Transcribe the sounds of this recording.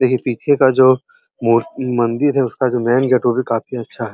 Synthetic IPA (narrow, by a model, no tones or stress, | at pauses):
d̪eːkʰiepiːt͡ʃʰekad͡ʒoː | mumɐ̃nd̪ɪɾɦɛʊskad͡ʒoːmɛːnɡeʈʋobʱikaːfiɐtːʃʰaɦɛː